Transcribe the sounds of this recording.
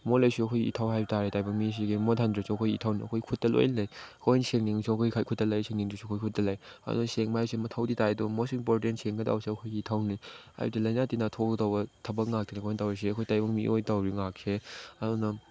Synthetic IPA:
molajsuɐkʰojɡiḭtʰawhajbtaɾitajbɐŋmis̬iɡimotʰandɾisɔɐkʰojitʰawniɐ̰kʰojikʰut̚tɐlo̰jnajkʰojnseŋniŋsuŋɐkʰojikʰajkʰut̚tɐlajseŋniŋdɾisukʰojkʰut̚tɐlajɐ̰dṵnɐseŋmajsemɐtʰawditajdomosimpoɾtentseŋɡɐda̰wsiɐkʰojɡiitʰawnia̰jdilajnatinatʰokdawbɐtʰɐbɐk̚ŋak̚tʰinkʰojntawɾis̬eɐkʰojtajbɐŋmḭʔojtawɾiŋak̚sʰeɐdunɐ

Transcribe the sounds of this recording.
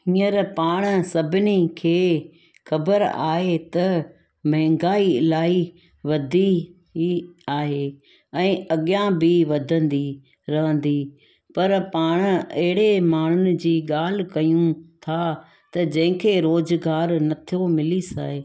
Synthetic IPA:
ĩːəɾpaːɽ̃sɐbʱɪnikʰeː | xɐbəɾa̰ːɦet̪ɐ | mɐɦɪ̃ŋɡaːilaːi | ʋɐd̪ʱi | iaːɦe | ɛ̃ːɐɠjãbiʋɐd̪ʱə̃nd̪i | ɾɐʋə̃nd̪i | pɐɾpaːɽ̃ɐɦɪɽemaːɳ̤ʊnɪ̆d͡ʑiːɠaːl̤kɐjũt̪ʰa | t̪ɐd͡ʑɐ̃ɦɪ̃kʰeːɾoːzɡaːɾnɐt̪ʰijomɪlisa̰ːɦe

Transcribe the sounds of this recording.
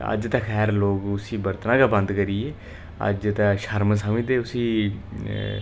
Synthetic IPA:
ə̰d͡ʒt̪ãːxʰɛːɾloːɡʊsĩːbəɾt̪nãːkaːbə̃nd̪kəɾiːeː | ə̰d͡ʒt̪ãːʃəɾms̬aːmĩːt̪eːʊsĩː

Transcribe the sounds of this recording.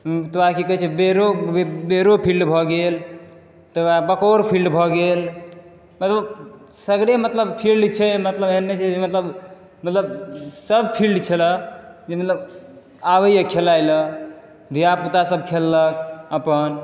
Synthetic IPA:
t̪oakikəɦt͡ʃʰɛbeɾobeɾopʰilɖbʱɔɡel | t̪əabəkoɾpʰilɖbʱɔɡel | mət̪ləbsəɡɽemət̪ləbpʰilɖt͡ʃʰɛmət̪ləbeɦənːet͡ʃʰɛd͡ʒemət̪ləb | mət̪ləbsəb̚pʰilɖt͡ʃʰələd͡ʒemət̪ləb | aʋəjjəkʰelajlə | d̪ʱijaput̪asəb̚kʰelːəkəpən

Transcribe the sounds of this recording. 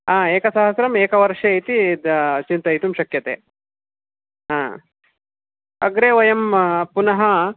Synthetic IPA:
ɦaːeːkɐsɐɦɐsɾɐmeːkɐʋɐɾʂɐɐjt̪it͡ʃint̪ɐjt̪umʃɐkjɐt̪ḛː | ɦãː | ɐɡɾeːʋɐjɐmpunɐɦɐ

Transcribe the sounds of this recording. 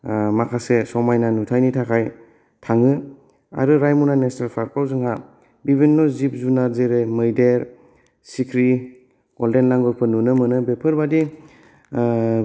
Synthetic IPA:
makʰasesɔmajnanutʰajnitʰakʰaj | tʰaŋɯ | a̰ɾɯɾajmunanesnelpʰaɾpʰawzɯŋɦa | bibinːɔzip̚zunazeɾɯmɯjdeɾ | sikʰɾi | ɡ̥ɔldenlaŋɡɔɾpʰɯnunɯmɯnɯbepʰɯɾbadi

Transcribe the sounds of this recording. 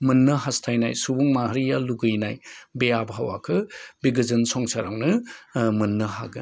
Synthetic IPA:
mɐnːɐɦastʰajnajsubuŋmahɾijaluɡɯjnajbejabɦawa̰kʰɯbiɡɐzɐnsɔŋsaɾa̰wnɯmɐnːɐɦa̰ɡɯ

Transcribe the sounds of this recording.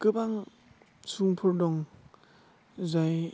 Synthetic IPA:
kɯbaŋ | suŋpʰɔɾdɔŋ | zaj

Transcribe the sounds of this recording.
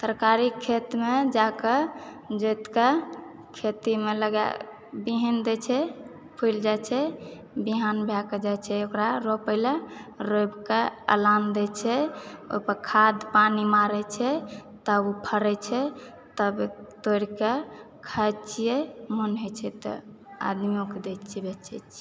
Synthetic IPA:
səɾkaɾikʰːet̪med͡ʒake | d͡ʒojt̪ke | kʰet̪imeləɡja̰ | biɦind̪ɛt͡ʃʰɛ | pʰujld͡ʒajt͡ʃʰɛ | biɦanbʱaked͡ʒajt͡ʃʰɛokɾaɾopəɪlaɾojbkeə̰land̪ɛt͡ʃʰɛo̰pəɾkʰad̪panimaɾɛt͡ʃʰɛt̪əbupʰəɾɛt͡ʃʰɛ | t̪əbt̪oɾike | kʰat͡ʃʰijemənɦet͡ʃʰɛt̪ɔ̰ | a̰d̪miõked̪et͡ʃʰɛbɛt͡ʃʰɛt͡ʃʰ

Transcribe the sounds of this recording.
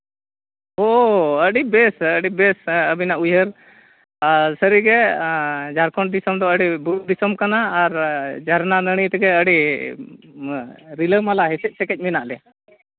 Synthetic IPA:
ɦoəɽibɛsəɽibɛsəbinaʔujəɾ | asəɾiɡɛ | d͡ʒaɾkɔɳʈd̪isəmd̪ɔəɽibuʈ̚d̪isəmkanaːɾd͡ʒʱaɾnanəɽ̃it̪ɡɛəɽi | ɾiləmalaɦɛsɛc̚sɛkɛc̚ˀminaʔlɛ

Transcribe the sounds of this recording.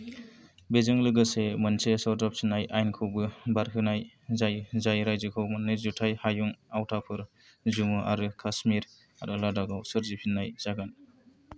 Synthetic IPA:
bezɯŋlɯɡɯsemɯnsesɔɾdap̚sʰinajʔajnkʰɯwbɯbaɾkʰɯnaj | zajzajɾajzɯkʰɯwmɯnːɯzutʰajhajuŋawtʰapʰɯɾ | zumɯʔa̰ɾɯkʰasmiɾ | a̰ɾɯladaɡawsɯɾzipʰinːajz̥aɡan

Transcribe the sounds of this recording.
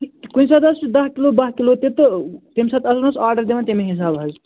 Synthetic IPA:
kuĩsat̪ɐsd̪ɐɦkilobɐɦkilot̪et̪ət̪emsat̪ɐsnɐsaːɾɖəɾd̪eʋant̪emeɦis̬abɦəd͡ʒ

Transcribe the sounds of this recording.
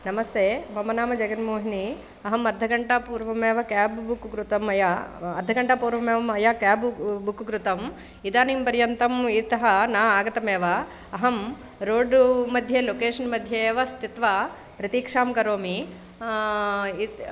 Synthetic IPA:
nɐmɐst̪ʰeːbɐmɐnaːmɐd͡ʒɐɡɐnmoːɦini | ɐɦɐmɐd̪ʱːɐɡɐɳʈapuːɾʋɐmeːʋɐkaːbbukɡɾut̪ɐmɐjaɐ̰d̪ʱːɐɡɐɳʈapuːɾʋɐmeːʋɐmɐjaːkaːbbukɡɾut̪ɐm | id̪aːniːmpɐɾjɐnt̪ɐmit̪ɐɦɐnaːaːɡɐt̪ɐmeːʋɐː | ɦɐm | ɾoːɖmɐd̪ʱjeːloːkeːʂɐnmɐd̪ʱjeeːʋɐst̪it̪ʋa | pɾɐt̪iːkʂaːmkɐɾoːmi | i

